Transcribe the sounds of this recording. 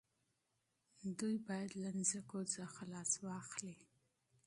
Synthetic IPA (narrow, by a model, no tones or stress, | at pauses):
d̪ujbajad̪lanzəkʰod͡zaχalaːswɑχli